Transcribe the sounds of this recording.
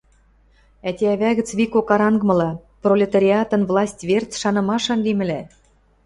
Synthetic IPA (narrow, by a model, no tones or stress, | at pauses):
æt̪ʲeæβæɣɘ̆t͡sβikokɑɾɑŋɡmɤ̆lɑprolʲet̪ɑɾʲiɑt̪ɤ̆nvlˠɑsʲtʲβert͡sʃɑnɤ̆mɑʃɑnlimɘ̆læ